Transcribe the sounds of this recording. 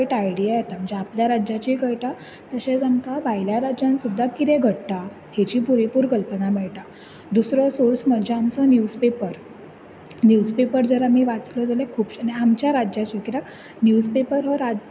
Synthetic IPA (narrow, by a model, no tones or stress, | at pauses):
ʈajɽiajet̪am̤əɳnd͡zeapljaɾad͡ʑat͡ɕikəɭʈ̪a | t̪əɕẽd͡zəŋkabʱajljaɾad͡ʑãnsud̪ʱːakit̪ẽɡʱəɽt̪a | het͡ɕiːpuɾipuɾkəlpənamɛɭʈ̪a | d̪usɾɔsoɾsməɳd͡ʑeamt͡sənjud͡zpepəɾ | njud͡zpepəɾd͡zəɾamiːʋat͡slɔd͡zalekʰuːpɕaneamt͡ɕjaɾad͡ʑat͡ɕokiɾak | njud͡zpepəɾɦəɾa